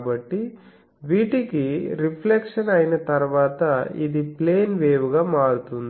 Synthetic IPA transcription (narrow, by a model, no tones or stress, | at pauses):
bɐʈːi | ʋiːʈikiɾipʰlekʂɐnɐjinɐt̪ɐɾuʋaːt̪ɐḭd̪ipleːnʋeːʋuɡaːmaːɽut̪und̪i